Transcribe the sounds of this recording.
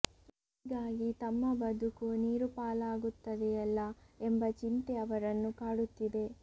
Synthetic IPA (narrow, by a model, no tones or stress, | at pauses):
i | iɡaːɡit̪ɐmːɐbɐd̪ukuniːɾupaːlaːɡut̪ːɐd̪eɛlːɐembɐt͡ʃint̪eɐʋɐɾɐnːukaːɽut̪ːid̪e̞